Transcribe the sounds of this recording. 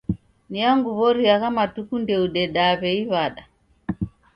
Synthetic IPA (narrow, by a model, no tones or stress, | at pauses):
niaŋɡuβɔɾiaɣamatukundɛuɗɛɗaβɛiβaɗa